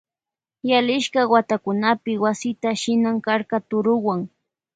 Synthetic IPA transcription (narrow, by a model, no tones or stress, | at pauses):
jalɪʃkawat̪akʊnapɪwasɪt̪aʃɪnaŋkaɾkat̪ʊɾʊwaŋ